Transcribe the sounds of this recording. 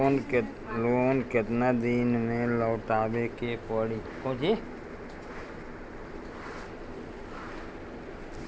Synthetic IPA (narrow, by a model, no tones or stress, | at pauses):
n | loːnkɪt̪nad̪iːnmẽləːʈaːwekepəɽikõd͡ʒi